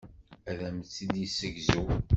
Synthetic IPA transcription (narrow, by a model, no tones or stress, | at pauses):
æðæmt͡sːid̪isəʝzu